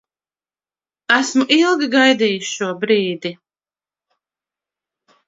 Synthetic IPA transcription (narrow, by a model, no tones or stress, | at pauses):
æsmuʔilˠɡʲiɡajd̪iːjisʃuɔbɾiːd̪i